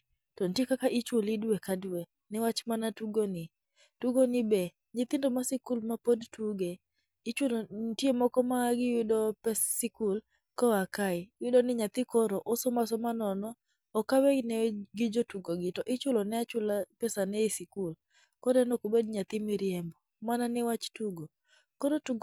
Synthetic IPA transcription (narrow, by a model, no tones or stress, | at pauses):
tɔn̩tjekakaʔɪt͡ʃʊlɪdwekadwe | nɪwat͡ʃmanatuɡonɪ | tuɡonɪbɛ | ɲɪt̪ɪndomasɪkulmapodtuɡe | ɪt͡ʃwolontjemɔkɔmaɡɪjʊdɔpɛsɪkul | kɔakaɪjʊdonɪɲat̪ɪkɔɾɔʔosɔmasɔmanɔnɔː | kawɛnɛɡɪd͡ʒotuɡoɡɪtɔʔɪt͡ʃʊlɔnɛat͡ʃʊlapɛsanɛisɪkul | kɔɾɛnɔkobedɲat̪ɪmɪɾɪɛmbɔ | mananɛwat͡ʃtuɡo | kɔɾotuɡ